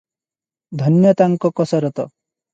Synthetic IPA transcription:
d̪ʱɔnjɔt̪aŋkɔkɔsɔɾɔt̪ɔ

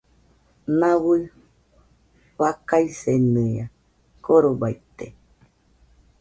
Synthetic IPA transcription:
nãwɨ | βakaisenɨa | koɾobajt̪e

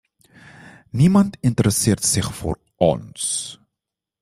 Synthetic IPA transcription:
nimɐntʰintəɾəsiərtsəχfṵːr | ʔɔ̰ns

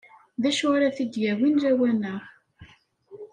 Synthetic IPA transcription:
ðæʃwaɾaθid̪jæwinɾæwænəχ

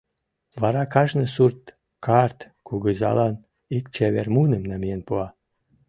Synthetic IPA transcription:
βɑɾɑkɑʒnə̆surt̪ | kʰɑrt̪ | kuɣəzɑ̰lɑn | ikt͡ɕeβermunəmnæmijenpuɑ

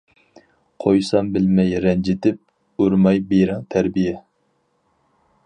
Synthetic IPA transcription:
qʰojsɑmbɪlmɛjɾɛnd͡ʒɪt̪ʰɪp̚ | uɾmɑjbeɾɨŋt̪ʰæɾbijɛ

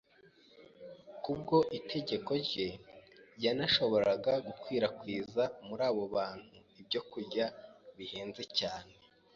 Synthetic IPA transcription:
kub̚ɡo̞ʔitʰe̞ɟe̞ko̞ɾɟe̞janaʃo̞βo̞ɾaɡaɡukwiːɾakwiːzamuɾaːβo̞βaːn̥huibɟo̞kuɾɟaβihe̞ːnze̞caːne̞

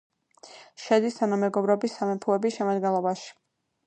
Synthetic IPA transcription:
ʃɛd̪ist̪ʰanamɛɡɔbɾɔbisːamɛpʰuɛbisʃɛmad̪ɡɛnlˠɔbaʃi̥

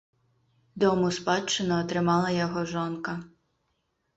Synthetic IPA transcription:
d̪ɔmʊspɑt͡ʃːɪnɔːt̪ɾɪmɑlˠɐjɔɦɔʒɔnkɐ

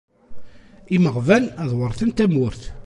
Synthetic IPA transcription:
iməʁvælæðwəɾˤθənt̪æmʊɾθ

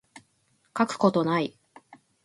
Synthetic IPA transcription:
kakɯ̟̥ko̞t̪o̞nai

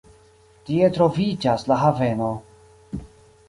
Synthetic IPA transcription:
tietɾo̞vid͡ʒaslaɦave̞no̞

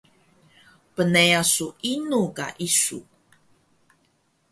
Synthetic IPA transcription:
pənejasuinuka̰ʔisṵ

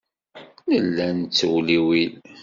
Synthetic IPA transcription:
nəlːænt͡sːwliwil

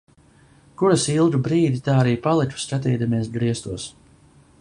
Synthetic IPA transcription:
kuɾasilˠɡ̪ubɾiːd̪ʲit̪aːaɾiːpalˠiku̥skat̪ɛːd̪amiɛsɡɾiɛst̪uɔs

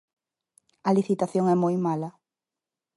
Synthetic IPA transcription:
ɐliθit̪aθjoŋɛmojmalɐ

